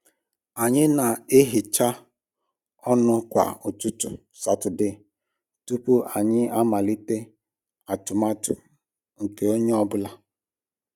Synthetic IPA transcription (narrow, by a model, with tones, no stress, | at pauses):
a˨ɲɪ˦na˨e˦ɦi˨t͡ʃa˦ | ɔ˦nʊ˦kʷa̰˨ʊ˨tu˦tʊ̰˨ | sa˨tʊ˨dɪ˦ | tu˦pu˦ʔa˨ɲɪ˦a˦ma˨li˦te˦ | a˨tʊ˨ma˦tʊ̰˨ | ŋ̩˨ke˨o˦ɲe˦ɔ˦bʊ˦la˦